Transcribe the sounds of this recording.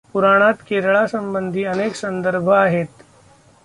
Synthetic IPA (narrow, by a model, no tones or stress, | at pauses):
puɾaɽ̃at̪keɾɭasəmbənd̪ʱiːəneksənd̪əɾbʱəaɦet̪